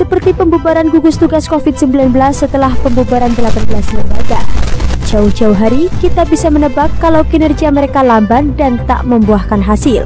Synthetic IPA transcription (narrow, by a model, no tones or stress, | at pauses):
səpərt̪ipəmbubaɾanɡuɡʊst̪uɡaskofɪt̪̚səmbilanbəlasːət̪əlahpəmbubaɾandəlaban̚bəlasləmbaɡad͡ʒaʊhd͡ʒawɦaɾikit̪abisamənəbakːalawkinərɡiaməɾekalambandant̪a̰ʔməmbuahkanɦasɪl